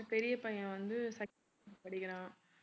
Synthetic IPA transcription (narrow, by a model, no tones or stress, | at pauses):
pɛɾɪjɐpɐjɐ̃ʋɐnd̪ɯsɐ | pɐɽɪɣɪɾãː